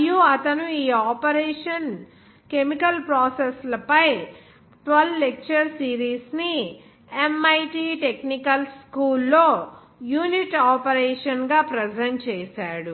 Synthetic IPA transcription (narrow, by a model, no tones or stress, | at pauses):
juɐt̪ɐnuiːaːpɐɾeːʂɐn | kemikɐlpɾaːseslɐpɐj | ʈʋɐllek̚t͡ʃɐɾsiːɾiːsni | emɐjʈiːʈeknikɐlskuːlːo̞ː | juːniʈaːpɐɾeːʂɐnɡaːpɾed͡ʒɐɳʈ̚t͡ʃeːsaːɽu